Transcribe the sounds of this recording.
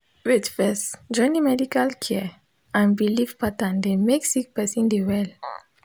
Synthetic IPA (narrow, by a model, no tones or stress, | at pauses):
witfɛsd͡ʒɔ̃nimɛdikalkʰɛ | ãnbilivpat̪ãnd̪emeksik̚pɛsĩnd̪ewɛl